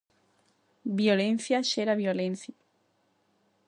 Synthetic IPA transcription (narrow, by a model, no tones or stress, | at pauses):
bjolẽn̟θjaʃeɾaβjolẽn̟θja